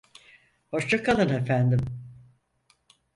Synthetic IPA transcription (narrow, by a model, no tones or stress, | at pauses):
ho̞ʃt͡ʃakʰalˠɯnefænd̪im